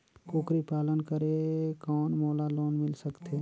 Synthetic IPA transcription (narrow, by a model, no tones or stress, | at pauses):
koːkɾipaːlənkəɾekɔːnmoːlaloːnmɪlsəkt̪ʰeː